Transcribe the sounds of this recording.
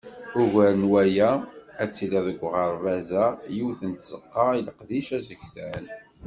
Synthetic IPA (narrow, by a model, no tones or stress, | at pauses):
ʊʝæɾənwæjææt͡sːilæðəɡʷːʁəɾˤvæzæjuwθənt̪z̥əqːɑiləqðiʃæzəɡθæl